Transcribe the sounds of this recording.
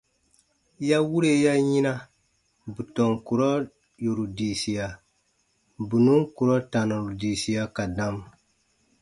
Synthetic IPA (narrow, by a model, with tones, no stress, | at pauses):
ja˦wu˦ɾe˦ja˦ji˦na˦ | bu˨tɔ˨ŋku˨ɾɔ˦ | ju˨ɾu˨di˨si˨ja˨ | bu˨nu˦ŋku˨ɾɔ˦ta˨no˨ɾu˨di˨si˨ja˦ka˨da˦m